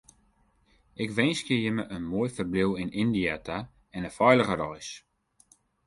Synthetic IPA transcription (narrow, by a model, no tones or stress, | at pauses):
ʔɪkʋɛnskjəjəməʔənmojfərblɪwɪnɪndiata | ɛnəfɔjləɣəɾɔjs